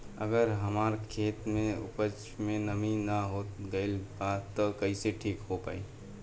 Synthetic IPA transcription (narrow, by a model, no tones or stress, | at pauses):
əɡəɾɦəmaːɾkʰeːt̪mẽʊ̰pət͡ʃ | mẽnəminəɦot̪ɡəɪlpat̪ːɔkəɪseʈʰiːkɦopa̰ːi